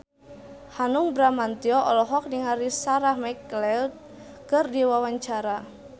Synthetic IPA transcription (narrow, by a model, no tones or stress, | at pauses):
hanuŋbɾamant̪iɔʔɔlɔɦɔk̚niŋaɾisaɾahmaklɛl̚ | kɨrdiwawaɲt͡ʃaɾa